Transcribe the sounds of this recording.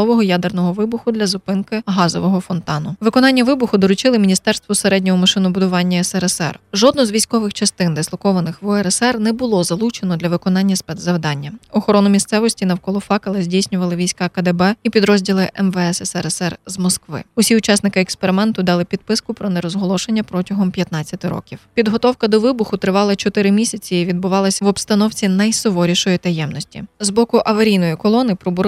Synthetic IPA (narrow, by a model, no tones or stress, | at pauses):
ɔʋɔɦɔjad̪ernɔɦɔʋɪbʊxʊd̪lʲɐzʊpɪnkɪɦɑzɔʋɔɦɔfɔnt̪ɑnʊʋɪkɔnɑnʲːɐʋɪbʊxʊd̪ɔɾʊt͡ʃɪlˠɪmʲinʲist̪ɛrst̪ʋɔseɾɛdʲnʲɔɦɔmɐʃɪnɔbʊd̪ʊʋɑnʲːɐɛsɛɾɛsɛ̰rʒɔd̪̚nɔzʋʲijsʲkɔʋɪxt͡ʃɐst̪ɪnd̪ɪslˠɔkɔʋɐnɪxʋɔɛɾɛsɛrnɛbʊlˠɔzɐlˠut͡ʃenɔd̪lʲɐʋɪkɔnɑnʲːɐspɛzzɐwd̪ɑnʲːɐɔxɔɾɔnʊmʲist̪sɛʋɔsʲtʲinɐwkɔlˠɔfɑkɐlˠɛzʲdʲijsʲnʲʊʋɐlˠɪʋʲijsʲkɑkɐd̪ɛbɛipʲid̪ɾɔzʲdʲilˠɪʔɛmʋɛɛsɛsɛɾɛsɛrzmɔskʋɪ̰ʊsʲiʊt͡ʃɑsnɪkɪɛkspeɾɪmɛnt̪ʊd̪ɑlˠɪpʲid̪̚pɪskʊpɾɔnɛɾɔzɦɔlˠɔʃenʲːɐpɾɔtʲɐɦɔmpʲjɐt̪nɑt͡sʲːɐt̪ɪɾɔ̰kʲiwpʲid̪ɦɔt̪ɔwkɐd̪ɔʋɪbʊxʊt̪ɾɪʋɑlˠɐt͡ʃɔt̪ɪɾɪmʲisʲɐt͡sʲiiʋʲid̪̚bʊʋɑlˠɐsʲʋɔbst̪ɐnɔwt͡sʲinɐjsɔʋɔɾʲiʃɔjit̪ɐjɛmnɔsʲtʲḭzbɔkʊʔɐʋɐɾʲijnɔjikɔlˠɔnɪpɾɔbʊɾ